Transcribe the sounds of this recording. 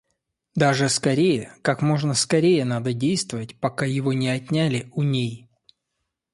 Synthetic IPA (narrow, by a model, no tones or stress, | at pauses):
d̪aʐɨskɐɾʲejəkakmo̞ʐnəskɐɾʲejənad̪ədʲejst̪vəvətʲpɐkajɪvonʲɪɐtʲnʲalʲɪʊnʲej